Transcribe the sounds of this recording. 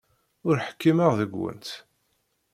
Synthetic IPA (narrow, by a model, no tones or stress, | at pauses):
ʊɾħkːiməʁðəɡwə̰nt̪